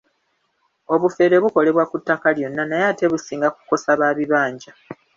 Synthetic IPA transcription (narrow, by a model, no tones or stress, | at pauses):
o̞βufe̞ːɾe̞βuko̞le̞βwakutːakaljo̞nːanajaːte̞βusiːŋɡaku̥ko̞saβaːβiβaːɲɟa